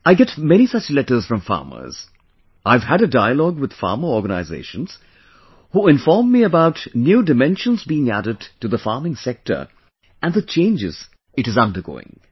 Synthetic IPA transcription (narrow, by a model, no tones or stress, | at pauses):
aɪɡɛtmɛɾ̃isʌt͡ʃlɛɾə˞z̥fɹʌ̃ɱfɑ̰ɹmə̰˞z̥ | ʔaɪv̥əɾədaɪəlɔɡwɨd̪̥fɑ̰ɹmə˞ɔɹɡənaɪzḛɪʃə̃nz̥ | huɪ̃ɱfɔɹmːiəbaʊtnjuːdɨmɛ̃nʃə̃nzbiɪ̃ŋæ̰ɾɨd̚tɨðəfɑɹmɪ̃ŋsɛk̚tʰə̰˞ | ɨ̃nðət͡ʃʰẽɪ̃nd͡ʒɪ̰z̥ | ɨɾɨzʌ̃ndə˞ɡo̰ːɪ̰̃ŋ